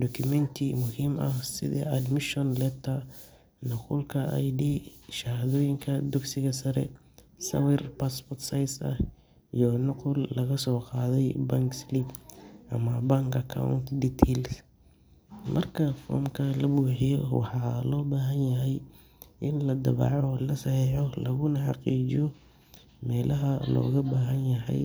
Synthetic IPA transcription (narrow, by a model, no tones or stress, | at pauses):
d̪ɔkʰʊmɛnt̪ʰɪmʊhiːmɐ̰hsɪ̰ðɐ̰ɐd̪mɪʃɔnlɛt̪ʰɐ | nʊqʊlkʰɐʔa̰jdiːʃɐhðɔːjɪŋkʰɐd̪ʊɡsɪɣɐsɐɾɛ̰ | sɐ̰wɪrpaspɔrt̪sajsɐ̰h | ijɔnʊqʊlːɐɣɐsɔːqɑːðɛjbɐŋkslipʔɐmɐbaŋkɐkʰa̰wʊ̰nt̪diːt̪ʰɛls | mʔɐ̰rkʰɐfɔ̰ːmkʰɐlɐbuːħɪjɔwɑ̰ħɑːlɔːbaːɦɐnjɐɦɛj | ʔɪnlɐd̪ɐβa̰ːʕɔːlɐsɐhiːʕɔlɐɣʊnɐħɑqiːt͡ʃɪjɔ | mɛːlʔɐɦɐlɔ̰ːɣɐbaːɦɐnjɐɦɛ̰j